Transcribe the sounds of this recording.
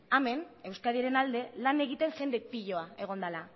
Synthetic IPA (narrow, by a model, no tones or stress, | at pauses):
ame̞ne̞wskaðieɾe̞nald̪e̞lane̞ɣ̞it̪e̞nʝe̞nd̪e̞piʎo̞ae̞ɣ̞o̞nd̪ala